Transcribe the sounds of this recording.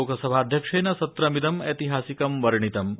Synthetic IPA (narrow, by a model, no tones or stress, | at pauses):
oːkɐsɐbʱaːd̪ʱjɐkʂeːnɐsɐt̪ɾɐmid̪ɐmet̪iɦaːsikɐmʋɐɾɳit̪ɐm